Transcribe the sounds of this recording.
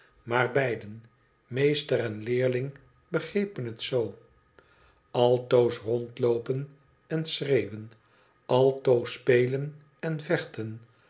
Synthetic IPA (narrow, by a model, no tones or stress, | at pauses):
maːrbɛjdən | mejstəɾɛnlɪːɹlɪŋ | bəχrejpənɦətsow | ɑlˠtowsrɔntlowpən | ɛnsrejwən | ɑlˠtowspejlən | ɛnvɛχtən